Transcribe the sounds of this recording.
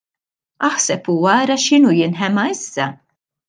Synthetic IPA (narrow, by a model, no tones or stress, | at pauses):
ɐħsɛpuːwɐːɾɐʃɪnuːjɪnħɛmɐɪsːɐ